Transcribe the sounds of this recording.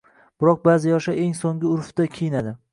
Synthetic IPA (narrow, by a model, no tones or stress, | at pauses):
b̥ɪɾɒq̚baːzɪjɒʃaeŋsoŋʲɪʊɾft̪akʲʰejɪnad̪ɪ